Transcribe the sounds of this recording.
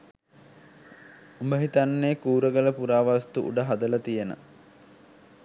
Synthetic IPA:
umbəɦit̪anːeːkuːɾəɡələpuɾaːʋast̪uʔṵɖəɦad̪ələt̪ijənə̰

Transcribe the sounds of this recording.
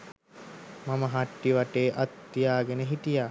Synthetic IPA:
maməɦaʈːiʋaʈeːʔat̪ːijaːɡenəɦit̪ijaː

